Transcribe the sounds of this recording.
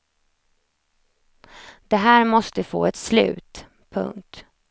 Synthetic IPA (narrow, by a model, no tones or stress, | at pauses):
d̪̥ɛɦæːɾmɔst̪əfo̰ːɛt̪slʉ̟̰ːt̪ | pʰɵ̰ŋk̚t̪